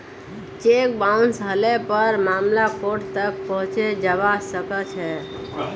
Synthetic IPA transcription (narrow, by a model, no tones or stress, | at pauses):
t͡ʃek̚baunsɦəlepəɾmamlakoʈt̪ək̚pəɦũt͡ʃed͡ʒəbasəkət͡ʃʰɛ